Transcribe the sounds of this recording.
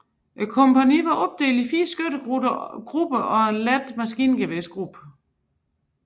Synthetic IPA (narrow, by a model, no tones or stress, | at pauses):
ʔekʰɔmpʰæniʋɑ̈ʔɒ̽b̥̚d̥e̝̰ːlifiːɐsɡ̥øɾ̥əɡ̥ʁub̥əʔɒ̽e̝nlæd̥mæsɡ̥ḭːnɡ̥eʋesɡ̥ʁub̥ə